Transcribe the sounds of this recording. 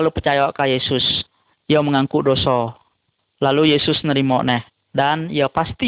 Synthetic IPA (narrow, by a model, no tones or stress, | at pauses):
lupərt͡ʃajakajesʊs | ijaməŋaŋkudosɔ | lalujesʊsnəɾimɔʔnɛh | danijapast̪i